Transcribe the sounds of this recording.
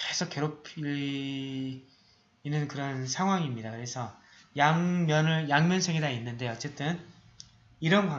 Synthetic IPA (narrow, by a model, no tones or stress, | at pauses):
kesʰok͈ːeɾopʰi | inɯnkɯɾʌnsʰaŋɦwaŋimɲidakɯɾe̞sʰʌ | jaŋmjʌnɯɭjaŋmjʌnsʰeɡedainːɯnde̞ʌt͡ɕ͈e̞t͈ɯn | iɾʌnpwa